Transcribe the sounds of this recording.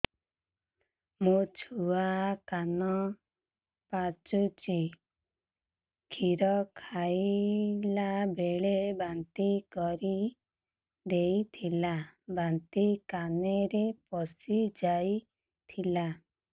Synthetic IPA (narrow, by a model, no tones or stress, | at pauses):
mut͡ʃʰuakanɔ | pat͡ʃut͡ʃi | kʰiɾɔkʰajlabeɭebant̪ikɔɾi | d̪ejt̪ʰilabant̪ikaneɾepɔsid͡ʒaj | t̪ʰila